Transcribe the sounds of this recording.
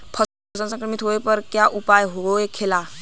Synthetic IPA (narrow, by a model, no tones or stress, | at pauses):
pʰə | sansə̃ŋkəmit̪ʰoepəɾkjaʔupajɦooekʰela